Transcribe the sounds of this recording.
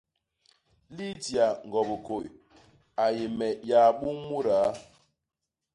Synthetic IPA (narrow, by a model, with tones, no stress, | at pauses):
li˦di˨a˨ŋ˨ɡɔ˨bo˨ko˨j | a˨je˨mɛ˨ja˨ɓu˦mu˦ɾa˨˦